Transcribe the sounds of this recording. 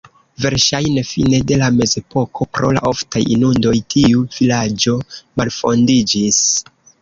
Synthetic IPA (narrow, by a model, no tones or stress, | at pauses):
ve̞ɾʃajne̞fine̞de̞lame̞ze̞po̞kʰo̞pɾo̞̰la̰ʔo̞ftajḭnundo̞jtʰiuv̥ilad͡ʒo̞malfo̞ndid͡ʒis